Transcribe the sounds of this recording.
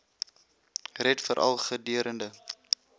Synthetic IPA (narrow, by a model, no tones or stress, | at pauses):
rɛtfəɾʔɐ̰lˠχədiəɾəndə